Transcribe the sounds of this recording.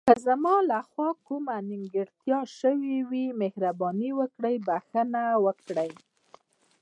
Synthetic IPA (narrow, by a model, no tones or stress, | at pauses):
kəzamɑlaxwɑkumanɪŋɡəɽt̪jɑʃəwiwimehɾabɑniwəkɽəjbaxənawəkɽəj